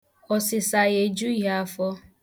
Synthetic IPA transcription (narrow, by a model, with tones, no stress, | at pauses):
ɔ˨sɪ˨sa˨je˨d͡ʒu˦ɦa˦˨fɔ˦